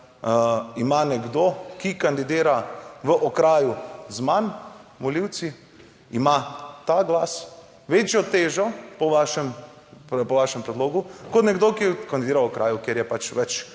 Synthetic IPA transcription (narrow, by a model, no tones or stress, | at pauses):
imanɛɡd̪okikand̪id̪eːɾaʋəʔɔkɾaːjuzmanmɔliw̪si | imat̪aɡlaːs | ʋet͡ʃjɔt̪eːʒɔpɔʋaʃɛm | ppɔʋaːʃɛmpɾɛd̪loːɡukɔt̪nɛɡd̪okikand̪id̪eːɾawɔkɾaːjukjeɾjɛpat͡ʃʋɛt͡ʃ